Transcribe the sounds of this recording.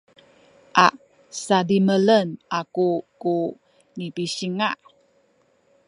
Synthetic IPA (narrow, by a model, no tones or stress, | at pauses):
ʔaʔ | sadimələnʔakuku | nipisiŋaʔ